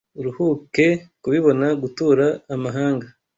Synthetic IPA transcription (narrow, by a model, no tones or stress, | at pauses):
uɾuhuke̞kuβiβo̞naɡutuːɾaːmaɦaːŋɡa